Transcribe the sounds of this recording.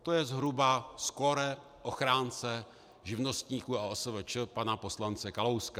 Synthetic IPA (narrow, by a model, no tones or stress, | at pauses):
t̪o̞jɛzɦɾubasko̞ɾɛ | ʔoxɾaːnt͡sɛ | ʒɪvno̞st̪ɲiːkuaosəvət͡ʃəpanapo̞slant͡sɛkalowska